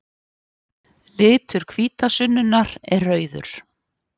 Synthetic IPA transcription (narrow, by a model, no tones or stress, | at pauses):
lɪːt̪ʏɾ̥kʰviːt̪asʏnːʏnaɾɛrœːɥðʏ̰ɾ̥